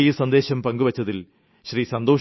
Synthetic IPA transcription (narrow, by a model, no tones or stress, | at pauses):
jisɐnd̪e̞ːɕɐmpɐŋɡuʋɐt͡ɕːɐðil | ɕrisɐnd̪oː